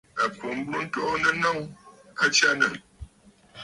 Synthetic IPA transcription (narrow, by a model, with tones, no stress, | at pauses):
a˨ko˨m˦bɾu˦n̩˦tɔ˦nə˦nɔ˦ŋ˦ | a˦t͡ʃa˦nə˨